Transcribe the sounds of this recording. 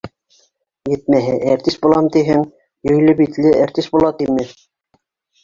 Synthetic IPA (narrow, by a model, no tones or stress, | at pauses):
jɘ̆t̪̚mæɦɘʔæɾt̪ist̪̚bulˠɑmt̪iɦɘŋ | jɵ̆jlɘpit̪lɘʔæɾt̪ist̪bulˠɑt̪imɘ